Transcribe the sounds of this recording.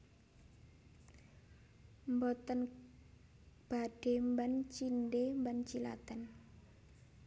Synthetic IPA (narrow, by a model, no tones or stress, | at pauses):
mbɔt̪ən | b̥aɖ̥embant͡ʃindembant͡ʃila̰t̪ən